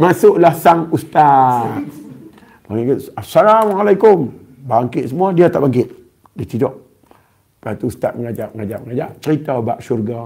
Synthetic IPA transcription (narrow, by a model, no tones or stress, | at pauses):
masʊʔlahsaŋust̪at̪̚ | baŋkasalamalaikʊm | baŋkɪt̪̚səmuadiat̪a̰ʔbaŋkɪt̪̚ | dit̪idɔʔ | pat̪uːst̪at̪̚məŋad͡ʒaʔəŋad͡ʒaʔməŋad͡ʒaʔt͡ʃəɾit̪abaʔsurɡa